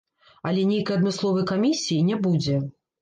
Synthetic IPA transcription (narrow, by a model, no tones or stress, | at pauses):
alʲɛnʲejkɐjɐd̪mɨslˠɔvɐjkamʲisʲijinʲɛbud͡zʲɛ